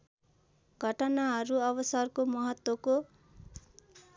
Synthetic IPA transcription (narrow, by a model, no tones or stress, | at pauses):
ɡʱʌʈʌnaɦʌɾuʌbʌsʌrkomʌɦʌt̪wʌko